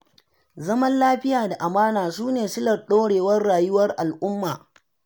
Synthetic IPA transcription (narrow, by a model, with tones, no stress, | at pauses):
zɐ˦mɐ˦nlaː˦ɸɪ˦jaː˨da˨ʔa˨maː˦naː˨suː˦neː˨sɪ˦lɐ˨rɗoː˦ɽeː˨wɐ˦rːaː˨jʊ˦wɐ˦rʔa˨lʔʊ˦mːaː˨